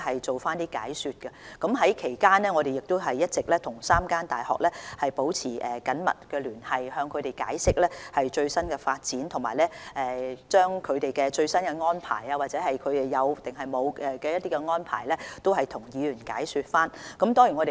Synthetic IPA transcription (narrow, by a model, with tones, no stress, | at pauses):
ɦɐ˨jt͡so˨wfaː˥nt̪iː˥ka̰ː˨˥jsyː˧t̚kɛ˧kɐ˨˥mɦɐ˨˥jkʰe˨˩jkaː˥nɛː˥ŋɔ˨˧ɾe˨jɪ˨k̚t̪ʊ˥wɦɐ˨jːɐ˥t̚t͡sɪ˨k̚lɛː˥t̪ʰʊ˨˩ŋsaː˥mkaː˥nt̪a̰ː˨˩jhɔ̰˨k̚lɛː˥hɐ˨jpo˨˥wt͡sʰiː˨˩ʔɛː˨˩kɐ˨˥nmɐ̰˨t̚kɛː˧lyː˨˩nhɐ˨jhœː˧ŋkʰɵ˨˧ɥɾe˨jka̰ː˨˥jsɪ˥k̚lɛː˥hɐ˨jt͡ʃɵ˧ɥsɐ˥nkɛ˧faː˧t̚t͡siː˨˥nt̪ʰʊ˨˩ŋmaː˨˩jlɛ˥ʔɛː˨t͡ʃœː˥ŋkʰɵ˨˧ɥt̪e˨jkɛ˧t͡ʃɵ˧ɥsɐ˥nkɛ˧ŋɔː˥npʰa̰ː˨˩jɐː˧waː˨t̚t͡sɛː˨˥hɐ˨jkʰɵ˨˧ɥt̪e˨jɐ˨˧wt̪ɪ˨ŋɦɐ˨jmo˨˧wɛ˨kɛ˧jɐ˥t̚t̪iː˥kɛ˧ŋɔː˥npʰa̰ː˨˩jlɛː˥t̪o˥whɐ˨jt̪ʰʊ˨˩ŋjiː˨˧lyː˨˩nkaː˨˥jsyː˧t̚faː˥nkɐ˨˥mt̪ɔː˥ŋjyː˨˩ŋɔ˨˧te˨